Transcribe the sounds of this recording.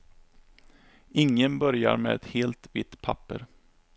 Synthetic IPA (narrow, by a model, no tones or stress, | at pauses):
ɪŋːənbœɾja̰ɾmɛːɛt̪heːlt̪vɪt̪ːpʰapːə̰ɾ